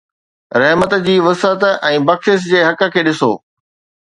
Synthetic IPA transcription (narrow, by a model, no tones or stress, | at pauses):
ɾɐɦmət̪d͡ʑiːʋɐsət̪ɛ̃ːbɐkʃɪsd͡ʑeːɦɐkə̆kʰeːɗɪso̰ː